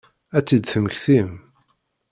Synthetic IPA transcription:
æt͡sːid̪θəməçθim

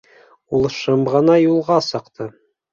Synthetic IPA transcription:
ulˠʃɤmʁɤ̆nɑjulˠʁɑsɤ̆qt̪ʰɤ

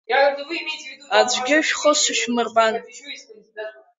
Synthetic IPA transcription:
ad͡ʒʷɡʲɪʃᶣχəsɨʃᶣmɨrban

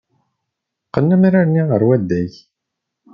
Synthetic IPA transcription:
qənːæmɾaɾniʁəɾwæd̪ːæç

